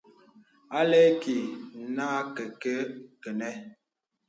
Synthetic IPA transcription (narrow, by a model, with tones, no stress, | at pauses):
a˦lɛ˦ki˨˦na˦kɛ˨kə˦kə˨nɛ˦